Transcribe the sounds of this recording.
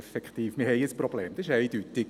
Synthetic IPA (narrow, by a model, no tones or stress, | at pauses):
fɛkχt̪iːfmɪhɛɪəsprob̥leːmd̥ɑsɪʃæɪdyt̪ɪ